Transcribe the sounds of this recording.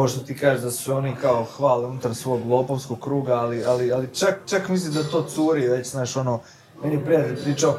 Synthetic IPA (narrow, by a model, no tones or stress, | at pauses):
oʃt̪ot̪ikaːʒed̪aso̞nikaoxʋaːleunut̪aɾsʋo̞ːɡlˠo̞ːpoʋskoɡ̚kɾuːɡaːlialialit͡ʃakt͡ʃakmislimd̪at̪o̞ːt̪suːɾiʋe̞t͡ɕznaːʃo̞noː | meniepɾijat̪elʲpɾiːt͡ʃao